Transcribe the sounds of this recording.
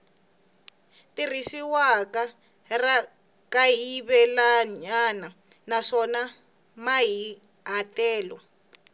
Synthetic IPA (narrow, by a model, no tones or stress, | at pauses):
tirisiwaka | ra | kajiβɛlaɲana | naʂɔna | maɦi | ɦatɛːlɔ